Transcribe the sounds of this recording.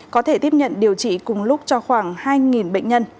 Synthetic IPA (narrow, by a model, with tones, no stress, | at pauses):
kɔ˨˦t̪ʰe˧˩t̪i˦˥əp̚ɲə̰˧˨nɗi˨˩əwt͡ɕḭ˧˨kʊ˨˩ŋ͡mlʊ˦˥k͡p̚t͡ɕɔ˧xwaː˧˩ŋhaː˧jŋi˨˩nɓə̰˧˨ŋ̟ɲə˧n